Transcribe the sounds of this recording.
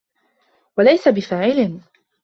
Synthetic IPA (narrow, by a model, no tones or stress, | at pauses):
walajsabɪfaːʕɪlɪ